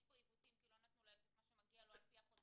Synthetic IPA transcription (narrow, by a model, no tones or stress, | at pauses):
boibut̪imkilonet̪moleltet̪maʃemaɡialoalpiaχo